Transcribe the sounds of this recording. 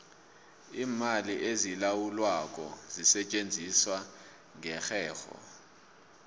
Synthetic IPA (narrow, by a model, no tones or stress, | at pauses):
iːmaliʔezilawulwak̬ʼɔzisɛt͡ʃʼend͡zʱiswa | ŋɛxɛːxɔ̰